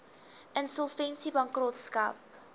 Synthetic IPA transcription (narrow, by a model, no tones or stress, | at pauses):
ʔənsɔlˠfɛnsibɐŋkrotskɐ̰p